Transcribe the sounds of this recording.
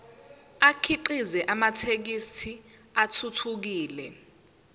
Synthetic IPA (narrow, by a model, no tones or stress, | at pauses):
akʰiǃizɛʔamatʰek̬istʰiatʰutʰuk̬iːlɛ